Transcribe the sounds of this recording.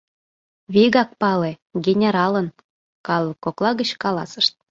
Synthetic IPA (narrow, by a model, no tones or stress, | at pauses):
βiɣɑk̚pɑleɡʲenʲeɾɑlə̆n | kɑlˠːɤkːoklˠɑɣət͡ɕkɑlɑ̰sə̥̆ʃt̪̚